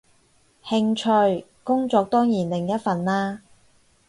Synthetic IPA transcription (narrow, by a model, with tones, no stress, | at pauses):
hɪ˧ŋt͡ʃʰɵ˧ɥ | kʊ˥ŋt͡sɔː˨˧k̚t̪ɔː˥ŋjiː˨˩nlɪ˨˩ŋjɐ˥t̚fɐ˨nlaː˥